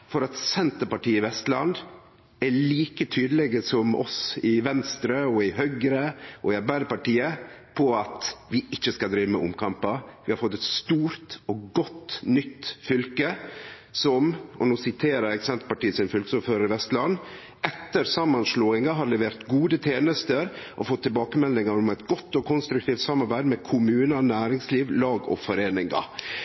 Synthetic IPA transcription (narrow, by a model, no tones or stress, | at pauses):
fɔɾɑt̪sɛnt̪əɾpɑʈiːɪʋɛst̪lɑ̰nd̪ | æɭiːkət̪ʰyːd̪əlɛɡəsɔmʔɔ̰sɪʋɛnst̪ɾəɔɪɦœɡɾəɔɪɑɾbæɪd̪əpɑʈiːəpʰɔɑt̪ʋɪɪçːəskɑd̪ɾiːʋəmə̰ʊmkʰɑmpɑʋɪhɑɾfɔt̪ːɛt̪st̪uːɾt̪ɔɡɔt̪ːnʏt̪ːfʏlkə | sɔmɔnuːsɪt̪ʰeːɾəɾɛksɛnt̪pɑʈiːəsɪnfʏlkəsuføːɾəɾɪʋɛst̪lɑnː | ɛt̪ːəɾsɑmːɑnʂloːɪŋɑɦɑɾlɛʋeːɾt̪ɡuːd̪ət̪ʰjeːnəst̪əɾʔɔfɔt̪ʰːɪlbɑːkəmɛlnɪŋɑɾɔmɛɪt̪ɡɔt̪ːɔkʰʊnst̪ɾʉk̚t̪ʰiːft̪sɑmːɑɾbæɪd̪mɛkʰʊmʉːnənæːɾɪŋsliːʋlɑːɡɔ̰fɔɾeːnɪŋɑ̰